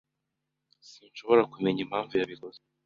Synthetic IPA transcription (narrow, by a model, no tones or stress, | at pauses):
siːnʃo̞βo̞ɾakume̞ɲim̥haːɱvujaβiɾoz